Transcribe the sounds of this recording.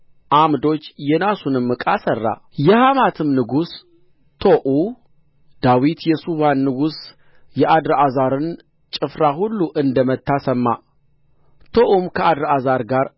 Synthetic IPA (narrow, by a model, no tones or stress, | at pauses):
ʔamd̪o̞t͡ʃːjɛnasunɨmːɨkʼasərːa̰jɛhamat̪ʰɨmnɨɡus | t̪ʰoʔu | d̪̥awit̪jɛsuβanːɨɡus | jɛʔad̪ɾʔazaɾɨn | t͡ʃʼɨfɾahulːuʔɨnd̪əmət̪ːasəmːa̰ | t̪ʰo̞ʔumkʰəad̪ɾazaɾɡaɾ